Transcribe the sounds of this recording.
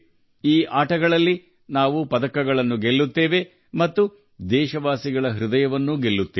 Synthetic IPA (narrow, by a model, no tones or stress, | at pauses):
iːʔaːʈɐɡɐɭɐlːi | naːʋupɐd̪ɐkːɐɡɐɭɐnːuɡelːut̪ːeːʋe̞ | mɐt̪ːu | d̪ɛːʃɐʋaːsiɡɐɭɐɦɾud̪ɐjɐʋɐnːuɡe̞lːut̪ːe